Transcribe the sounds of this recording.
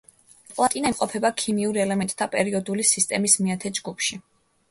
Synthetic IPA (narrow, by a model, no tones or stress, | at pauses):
pʼlˠat̪ʼinaimqʼɔpʰɛbakʰimiuɾɛlɛmɛnt̪ʼt̪ʰapʼɛɾiɔd̪ulisist̪ʼɛmismiat̪ʰɛd͡ʒɡupʰʃi